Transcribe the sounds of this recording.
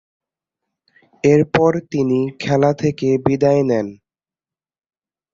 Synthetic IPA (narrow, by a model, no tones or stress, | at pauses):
eɾpɔɾt̪inikʰɛlat̪ʰekebid̪aenɛn